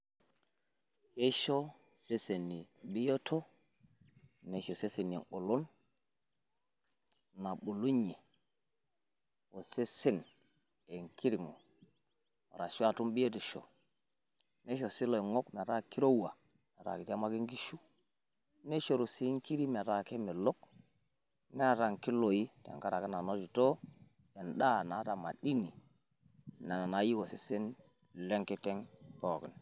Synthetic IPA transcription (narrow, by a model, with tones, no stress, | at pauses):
he˦ʃo˦se˦se˨nːi˨bi˦jo˦tʰo˦ | ne˨ʃo˨se˦se˨nḭ˨no˨lo˦n | na˨ɓu˨lu˦ɲe˨ | wo˨se˦se˦n | e˨ŋki˦ɾi˨ŋo˨ | ɾa˨ʃu˦a˨tu˦mbi˦o˦ti˨ʃo̰˨ | ne˦ʃo˨si˦lo˨i˨ŋo˦kme˨ɾa˦ki˦ɾo˦wa˨ | me˨ɾa̰˨ki˨ta˦ma˦ɡi˦ŋɡi˦ʃu˦ | ne˦ʃo˨ɾu˨si˦ŋki˦ɾi˦me˨ɾa˨ke˦me˨lo˦k | me˦˨ɾa˨ŋki˦lo˨ji˦ta̰˨ŋka˦ɾa˨ke˦na˨no˦d͡ʒi˨to˦ | je˨nɗa˦na˨˦ta˨ma̰˨di˦ni˨ | na˨na˨ji˦ɡo˨si˦si˦n˨ | le˦ŋke˦te˦ŋpo˨ɡi˨n